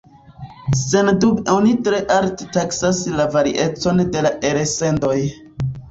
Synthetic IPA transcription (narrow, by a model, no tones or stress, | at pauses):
se̞ndubo̞nitɾe̞ʔalte̥taksaslavaɾiʔe̞t͡so̞nde̞laʔe̞ɾese̞ndo̞j